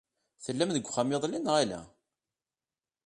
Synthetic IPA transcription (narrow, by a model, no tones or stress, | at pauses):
θəlːæmðəɡʷːχamːəðˤlinʁalæ̰